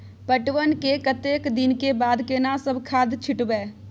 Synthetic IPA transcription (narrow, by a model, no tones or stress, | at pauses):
pəʈʋənkekət̪eːkd̪ɪnkebaːd̪kenasəbkʰaːd̪t͡ʃʰɪʈbeː